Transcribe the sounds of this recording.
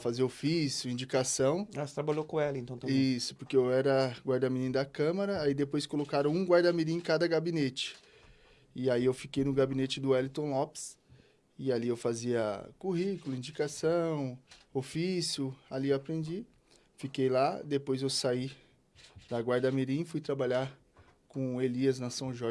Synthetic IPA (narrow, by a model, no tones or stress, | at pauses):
faziɐofisjʊĩd͡ʒikasɐ̃w̃at̪ɾabaʎokõɛlɐẽt̪ɐ̃w̃t̪ɐisʊ̥poɾkeewɛɾɐɡwaɾd̪aminĩnd̪ɐkɐ̃mɐɾɐaid̪epojskolokaɾɐ̃w̃ũɡwaɾd̪amiɾĩkad̪ɐɡabĩnet͡ʃɪ̥ | ɪaiewfikejnʊɡabĩnet͡ʃɪd̪ʊɛlit̪õlɔps | ɪaliewfaziɐ̰kuɦikʊlʊĩd͡ʒikasɐ̃w̃ofisjʊaliapɾẽnd͡ʒi | fikejlad̪epojzewsai | d̪ɐɡwaɾd̪ɐmiɾĩɪfujt̪ɾabaʎaɾ | kõeliɐznɐsɐ̃ʒɔ